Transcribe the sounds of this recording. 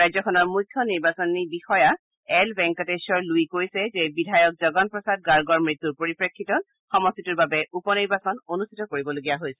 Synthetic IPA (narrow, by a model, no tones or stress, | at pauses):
ajzɔkʰɔnɔɹmukʰːjɔniɹbasɔnibixɔja | ɛlbɛŋkɔtesɔɹluikojsɛzɛbidʱajɔk̚zɔɡɔnpɹɔsad̚ɡaɹɡɔɹmɹit̪ːuɹpoɹipɹekʰːitɔn | xɔmɔstʰituɹbabɛupɔniɹbasɔnonustʰitɔkoɹibɔloɡijaɦojsɛ